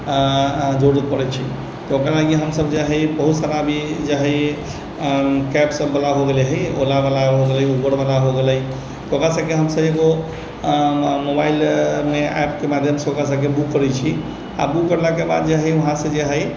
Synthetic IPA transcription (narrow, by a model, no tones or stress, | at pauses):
d͡ʒoɽət̪̚pəɾɛt͡ʃʰi | t̪okɾalaɡiɦəmsəbd͡ʒaɦɛjbəɦut̪saɾabʱid͡ʒaɦəj | kɛpsəbːəlaɦoɡeleɦəjo̰labalaɦoɡeləjubəɾbalaɦoɡeləj | t̪okɾasəkeɦəmsəbeɡo | mobailmeɛ̰pkemad̪ʱjəmseokas̬əkebukːəɾɛt͡ʃʰi | a̰bukːəɾlakeba̰d̪̚d͡ʒeɦəjoɦãsẽd͡ʒeɦəj